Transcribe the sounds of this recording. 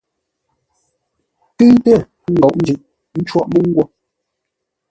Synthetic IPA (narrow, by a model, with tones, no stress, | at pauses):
tɨ˦tɛ˦˨ | ŋ̩˦ɡɔ˨ʔn̩˦d͡ʒʉ˨ʔ | n̩˦t͡ʃwɔ˦ʔmu˦ŋ̩˦ɡwo˦